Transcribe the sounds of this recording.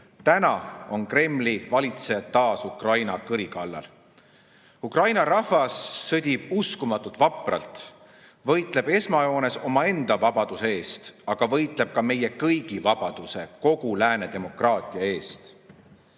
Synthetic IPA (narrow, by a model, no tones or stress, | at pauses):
t̪ænɑo̞nkre̞mːlivɑlʲit̪se̞jɑd̪t̪ːɑːsukrɑjnɑkɯɾikɑlːɑ̰l | ukrɑjnɑɾɑvɑsːɤd̪̥ʲib̥uskumɑt̪ːˑult̪ˑvɑpˑrɑ̰lt̪ˑ | vɤ̞jt̪ˑle̞b̥e̞smɑjo̞ːne̞so̞mɑe̞nd̪̥ɑvɑb̥ɑd̪̥use̞e̞ːst̪ɑɡ̥ɑvɤ̞jt̪ˑle̞b̥̚kɑme̞je̞kɤjɡ̥ivɑb̥ɑd̪̥use̞ko̞ɡ̥ulæːne̞d̪̥e̞mo̞krɑːt̪ˑiɑe̞ːst̪